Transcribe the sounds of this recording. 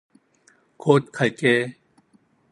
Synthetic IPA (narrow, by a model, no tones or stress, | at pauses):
kʰoːt̪̚kʰajkeː